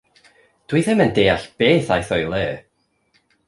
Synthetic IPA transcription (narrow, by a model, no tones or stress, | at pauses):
d̥wiðɪməndeːaɬb̥eːθajθɔjlˠɛː